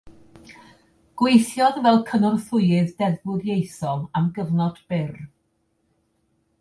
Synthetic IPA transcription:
ɡ̥wejθjɔðvɛlˠkʰənɔrθʊɨɨðdɛðbʊðjejθɔlˠamɡəvnɔd̥b̥ɪr

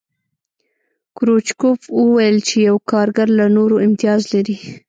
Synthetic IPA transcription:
kɾot͡ʃkofwəwajəlt͡ʃejawkɑɾɡaɾlanoɾoɪmt̪ijɑzlaɾi

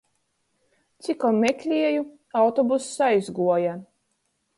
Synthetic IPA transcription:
t̪sʲikɔmʲekʲlʲiɛju | awt̪ɔbusajzɡuɔja

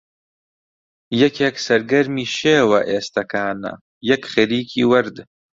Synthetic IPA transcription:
jɛkʰeːksɐɾɡɐɾmiːʃeːwɐʔeːst̪ɐkaːnɐ̰ | jɐkxɐɾiːkʰḭːwɐɾd̪

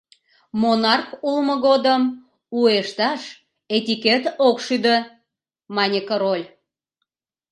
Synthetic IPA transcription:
monɑrkulməɣod̪əm | ueʃt̪ɑʃ | et̪ʲiket̪okʃyd̪ə | mɑnʲekoɾolʲ

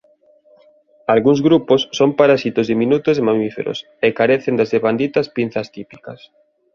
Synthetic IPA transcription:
alɣuŋzɣɾuposːompaɾasit̪ozðiminut̪ozðemamifḛɾo̰s | ekaɾeθend̪azðeβand̪it̪ɐspin̟θɐst̪ipi̥kɐs

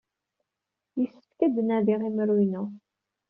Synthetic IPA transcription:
jəsə̥fkæd̪ənæðiʁimɾujnu

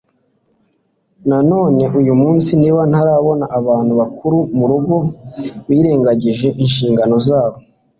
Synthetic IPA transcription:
nano̞ːne̞ʔujumuːnsiniːβan̥haɾaːβo̞naʔaβaːn̥huβakʰuɾumuɾuɡo̞βiːɾe̞ːŋɡaɟiʒe̞ʔinʃiːŋɡano̞zaːβo̞

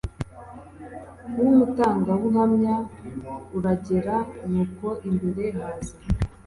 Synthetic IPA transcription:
umutaːŋɡawuŋhamɲa | uɾaɟe̞ɾanuːko̞ʔimbuɾeɦaːzi

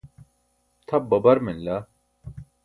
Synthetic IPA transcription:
t̪ʰɐb̚bɐbɐɾmenlɐ

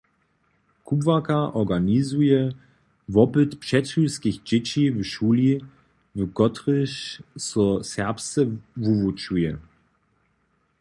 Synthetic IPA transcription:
kʰubvakaʔɔɡanizuə | vɔpltpʃɛtysɡ̥ɪçd͡ʒɪt͡ʃivəʃuːli | vəɡɔtʁɪʃsusɛɐpstəvuvut͡ʃuə

